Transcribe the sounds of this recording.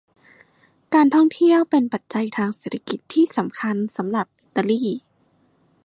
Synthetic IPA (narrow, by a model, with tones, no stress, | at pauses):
kaː˧nt̪ʰɔ˥˩ŋt̪ʰi˥˩əwpe˧npa˨˩t̪̚t͡ɕa˧jt̪ʰaː˧ŋseː˨˩a˧ki˨˩t̪ʰːiː˥˩sa˩˦mkʰa˧nsa˩˦mɾa˨˩p̚ʔi˨˧t̪ːa˧liː˥˩